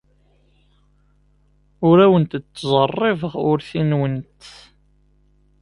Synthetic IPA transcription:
ʊɾæwənt̪t͡s̪ːzˤərˤːɪvəʁʊɾθinwənt̪

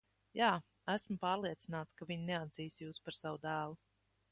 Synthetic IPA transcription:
jaː | æsmʊpaːɾliɛt̪sinaːt̪skavʲiɲnɛad̪z̥iːsjuːspaɾsawud̪æːlˠu

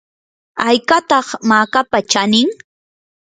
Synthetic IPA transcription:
ajkat̪ɑχmaːkapat͡ʃanɪŋ

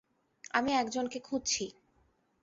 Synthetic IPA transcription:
amiɛkd͡ʑonkekʰud͡ʑt͡ɕʰi

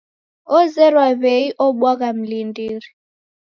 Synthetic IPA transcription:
ɔzɛrwaβeiʔɔɓwak̬ʼam̩lindiːɾi

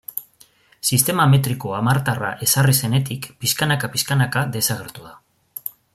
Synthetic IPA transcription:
sist̪e̞mame̞t̪ɾiko̞amaɾt̪ara̰ʔe̞sarise̞ne̞t̪ikpiskanakapiskanakaðe̞saɣ̞e̞ɾt̪uð̞a

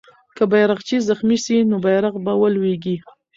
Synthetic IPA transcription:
kəbajɾaqt͡ʃizaxmiʃinobajɾaqbawəlweɡi

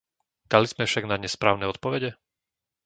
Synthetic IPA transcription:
d̪̥aliz̥mɛfʃaɡnaɲɛspɾaːʊnɛɔt̪̚pɔʋɛɟɛ

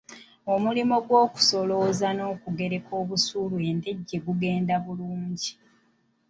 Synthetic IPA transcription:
o̞mulimo̞ɡwoːku̥so̞lo̞ːzano̞ːkuɡe̞ɾe̞kʰo̞ːβusulue̞nde̞ɟːe̞ɡuɡe̞ːndaβuluːɲɟi

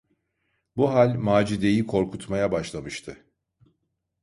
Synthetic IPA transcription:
buɦalʲmaːd͡ʒid̪e̞jikʰo̞ɾkʰut̪majabaʃlˠamɯʃt̪ʰɯ

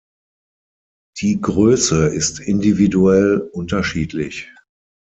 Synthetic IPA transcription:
d̥iːɡʁøːsəɪstɪndividuɛlʊntɐʃiːtʰlɪç

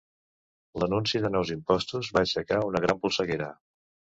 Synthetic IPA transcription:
lənunsiðənɔwzimpɔst̪uzβaʃəkaunəɣ̞ɾampulˠsəɣeɾə

